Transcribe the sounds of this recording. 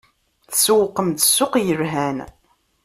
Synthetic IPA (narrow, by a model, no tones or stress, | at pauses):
θəswqːəmt̪ə̥sːʊqjəɾɦæn